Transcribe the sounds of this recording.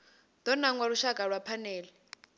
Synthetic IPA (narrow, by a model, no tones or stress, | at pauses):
d̪̥ɔnaŋwaɺuʃakʼaɺwapʰanɛːlɛ